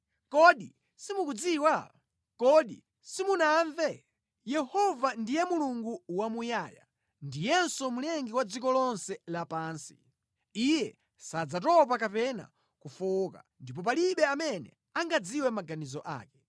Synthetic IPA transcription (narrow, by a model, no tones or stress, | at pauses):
kɔɗi | simukud͡ziwa | kɔɗi | simunaɱvɛ | jɛhɔvandijɛmuluŋɡuwamujaːja̰ | ndijɛnsɔmulɛŋɡiwad͡zikɔlɔnsɛlapaːnsi̥̰ | ijɛ | sad͡zatɔp̬akapɛna̰ | kufuka̰ndip̬ɔp̬aliɓɛamɛnɛ̰ | aŋɡad͡ziwɛmaɡanizɔʔa̰ːkɛ̥